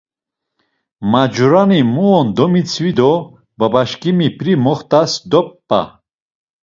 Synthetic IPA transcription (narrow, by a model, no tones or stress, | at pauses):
mad͡ʒuɾanimuɔnd̪ɔmit͡sʰvid̪ɔ | babaʃkʼimipʰɾimɔχt̪ʼasd̪ɔpː | a̰